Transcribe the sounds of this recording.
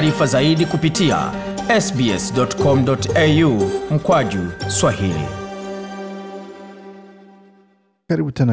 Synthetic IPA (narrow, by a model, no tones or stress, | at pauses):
ɾifazaiɗikupitia̰ɛsbiɛsdɔtkɔm̩dɔtɛjum̩kwaʄuswahḭlḭ | kaɾibutɛna